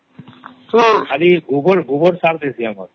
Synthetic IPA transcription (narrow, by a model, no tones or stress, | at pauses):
kʰaliɡʱubɔɾɡʱubɔɾsaɾd̪esʰiamɔɾ